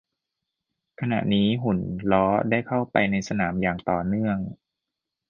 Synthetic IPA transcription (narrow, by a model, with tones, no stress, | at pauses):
kʰa˧na̰˨˩ʔniː˦˥ɦu˩˦nlɔː˦˥daː˥˩jkʰa˥˩wpa̰˧jna˧jsa˧naː˩˦mjaː˨˩ŋt̪ɔː˨˩nɯ˥˩əŋ